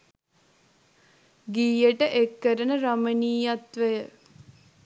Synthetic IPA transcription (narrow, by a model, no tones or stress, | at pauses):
ɡiːjəʈəʔekːəɾənəɾaməniːjat̪ʋəjə